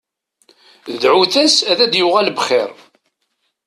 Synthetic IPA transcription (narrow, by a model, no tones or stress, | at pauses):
ðʕuθæsæðæd̪jʊʁælbχɪɾ